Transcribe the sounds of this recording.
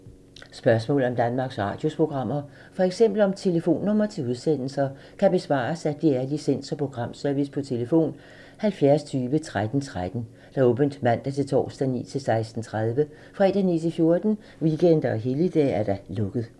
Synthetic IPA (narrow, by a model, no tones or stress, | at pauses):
sb̥ɶɐsmɔ̰̽ːl̩ɒ̽md̥ænmɑ̈ːɡ̥sʁɑ̈ːd̥jo̝spʰʁo̝ɡ̥ʁɑ̈m̰ɐ | fɒ̽eɡ̥sem̰b̥l̩ɒ̽mt͡sʰe̝ləfo̝̰ːnːɔ̽m̰ɐt͡sʰe̝luð̞ˠsen̰l̩sɐ | kʰæb̥e̝sʋɑ̰̈ːsæd̥iæɐlisen̰sɒ̽pʰʁo̝ɡ̥ʁɑ̈m̰sœɐʋispʰɒ̽t͡sʰe̝ləfo̝̰ːn | hælfjæɐst͡sʰyːʋət͡sʰʁad̥n̩t͡sʰʁad̥n̩ | d̥ɑ̈ɔ̽ːb̥ən̩d̥mæn̰d̥æt͡sʰe̝lt͡sʰɒ̰ːsd̥ænḭːt͡sʰe̝lsɑ̈ɪsd̥n̩t͡sʰʁað̞ˠʋə | fʁɛd̥ænḭːt͡sʰe̝fjo̝ɐd̥n̩ | ʋiɡ̥en̰d̥ɐɒɦe̝ləid̥ɛ̰ːæɐd̥ælɔ̽ɡ̥ð̞̩ˠ